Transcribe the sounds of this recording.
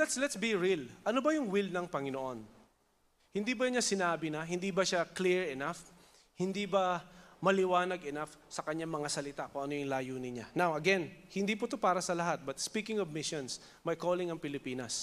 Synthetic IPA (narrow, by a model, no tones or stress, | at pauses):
lɛt̪slɛt̪sbiɹilʔɐnobɐjʊŋwilnɐŋpɐŋɪnoʔo̞n | hɪnd̪ibɐjʊɲasɪnaːbɪnɐɦɪnd̪ibɐʃakliɹɛnaf | hɪnd̪ibɐmɐlɪwaːnɐɡɛnafsɐkɐɲaŋmɐŋasɐlɪt̪akoŋʔɐnojʊŋlaːjuːnɪɲanawʔɐɡɛnhɪnd̪ipʊt̪opaːɾɐsɐlɐɦat̪̚bɐt̪̚spikɪŋɔvmɪʃons | mɐjkoːlɪŋɐŋpɪlɪpiːnɐs